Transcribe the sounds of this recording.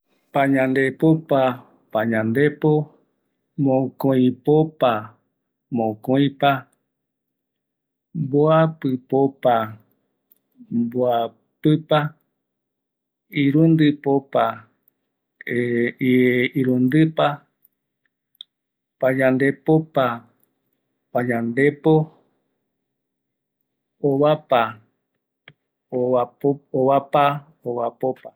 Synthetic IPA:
pãɲãnd̪epopa | paɲãnd̪epo | mõkõĩpopa | mõkoĩpa | mboapɨpopa | mboa | pɨpa | iɾũnd̪ɨpopa | iiɾund̪ɨpa | pad͡ʒãnd̪epopa | pad͡ʒãnd̪epo | oβapa | oaoβapa | oβapopa

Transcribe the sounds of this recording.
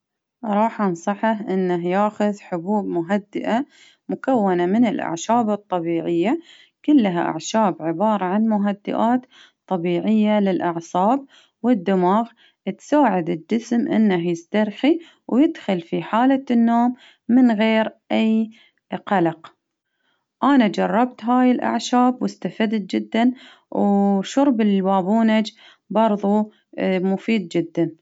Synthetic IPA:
ɾˤɑːħʔɑnsˤɑħaɦʔɪnːaɦjaːxʊðħʊbuːbmʊɦad̪ːɪʔa | mʊkawːanamɪnɪlʔa̰ʕʃaːbɨt̪ˤːɑbiːʕɪjːa | kʊlːɦa̰ʔa̰ʕʃaːbʕɪbɑːɾˤɑʕanmʊɦad̪ːɪ̰ʔaːt̪ | t̪ˤːɑbiːʕɪjːalɪlʔɑʕsˤɑːb̚ | wɪd̪ːɪmaːɣ | t̪saːʕɪd̪ɪd͡ʒɪsmʔɪ̰nːahjɪst̪aɾˤxi | wjɪd̪xʊlfiħaːlanːoːmː | ɪnɣeːɾʔaj | qɑlɑq | ʔanad͡ʒɑrˤːɑbt̪ɦaːjɪlʔa̰ʕʃaːbwʔɪst̪afad̪t̪̚d͡ʒɪd̪ːan | wʃʊɾˤbɪlwaːbuːnad͡ʒ | bɑɾˤðˤu | mʊfiːd̪̚d͡ʒɪd̪ːan

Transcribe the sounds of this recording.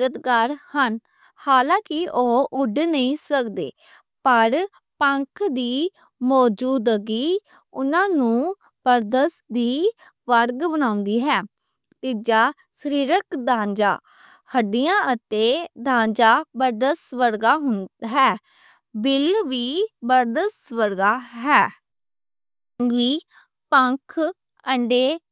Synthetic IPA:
ɾət̪ɡaːɾhən | haːlãːkɪʔoːʔʊɖnəĩːsəkd̪ḛː | pəɾ | pəŋkʰd̪iː | mɔːd͡ʒuːd̪ɡiː | ʊnãːnũː | bəɾd̪əsd̪iː | ʋəɾɡbənaːʊ̃nd̪iːɦɛː | t̪id͡ʒaː | səɾiːɾəkd̪ãːnd͡ʒa̰ː | həɖijãːʔət̪eːd̪ãːnd͡ʒaːbəɾd̪əsʋəɾɡaːɦʊnɦɛː | bɪlʋiːbəɾd̪əsʋəɾɡaːɦɛː | ʋiː | pəŋkʰ | əɳɖeː

